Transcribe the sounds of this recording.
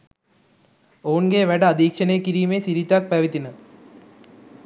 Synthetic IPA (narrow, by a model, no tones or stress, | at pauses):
oːnɡeːʋɐɽɐɐd̪iːkʂɐnekːiɾijmeːsiɾit̪ːaːk̚pɐʋit̪ːinɐ